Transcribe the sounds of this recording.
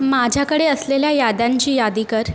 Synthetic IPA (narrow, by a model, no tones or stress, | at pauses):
mad͡ʑʱjakəɽeəsleljajad̪aɲt͡ɕiːjad̪ikəɾ